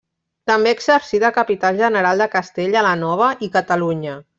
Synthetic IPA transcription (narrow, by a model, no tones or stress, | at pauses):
t̪əmbeːɡsəɾsiðəkəpit̪alʒənəɾalˠd̪əkəst̪eʎələnɔβ̞əʔikət̪əluɲə